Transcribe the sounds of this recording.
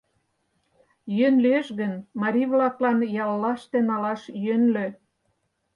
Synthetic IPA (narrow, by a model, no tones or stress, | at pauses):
jønleʃɣənmɑɾʲiβlɑklɑnjɑlːɑʃt̪enɑlɑʃjønlø